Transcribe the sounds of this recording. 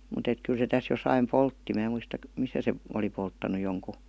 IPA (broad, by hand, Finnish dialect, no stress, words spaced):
mut et kyl se tæs josɑim poltːi mæː muistɑ misæ se oli poltːɑnu joŋku